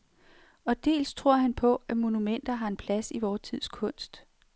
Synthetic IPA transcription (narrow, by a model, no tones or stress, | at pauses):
ɒ̽d̥e̝̰ːlst͡sʰʁo̝ɐ̰ɦænpʰɒ̽æmo̝numen̰d̥ɐɦɑ̈e̝npʰlæsiʋɒːt͡sʰið̰ˠskʰɔ̽n̰sd̥